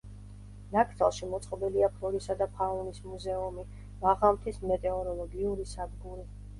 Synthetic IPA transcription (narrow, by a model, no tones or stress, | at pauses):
nakʰt̪ʰalˠʃimɔt̪sʼqʼɔbiliapʰlɔɾisad̪apʰaunismuzɛumi | maʁamt̪ʰismɛt̪ʼɛɔɾɔlˠɔɡiuɾisad̪ɡuɾi